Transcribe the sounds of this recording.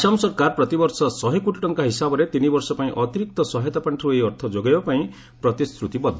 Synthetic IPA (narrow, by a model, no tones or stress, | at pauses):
sɔmsɔɾkaɾpɾɔt̪ibɔɾsɔsɔɦikuʈiʈɔŋkaɦisabɔɾet̪inibɔɾsɔpaĩʔɔt̪iɾik̚t̪ɔsɔɦajt̪ɔpaɳʈʰɔɾuejɔɾt̪ʰɔd͡ʒoɡajbapaĩ | pɾɔt̪istɾut̪ibɔd̪ʱːɔ